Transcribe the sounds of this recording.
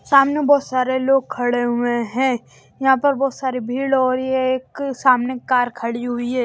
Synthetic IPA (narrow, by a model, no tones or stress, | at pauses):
saːmnebɔːt̪saːɾeloːɡ̚kʰɐɽeɦʊẽɦɛ̃ː | jɐɦãpɐɾbɔːt̪saːɾibʱiːɽɔːɾjeːksaːmnekaːɾkʰɐɽiɦʊiɦɛː